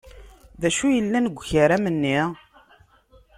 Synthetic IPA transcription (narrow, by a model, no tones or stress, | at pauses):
ðæʃujəlːænəɡʷːçəɾæmənːi